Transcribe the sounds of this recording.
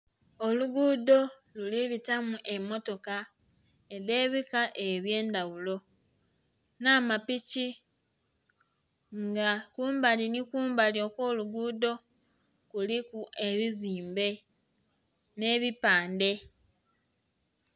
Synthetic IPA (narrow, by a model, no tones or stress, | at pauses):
o̞luɡuːdo̞ | luliβitamuʔe̞mːo̞to̞ka | eɾe̞ːβikaʔe̞βje̞ːndawulo̞ | namapici | ŋɡakuːmbalinikuːmbaljo̞ːkwo̞ːluɡuːdo̞ | kulikue̞βiziːmbe̞ | ne̞βipaːnde̞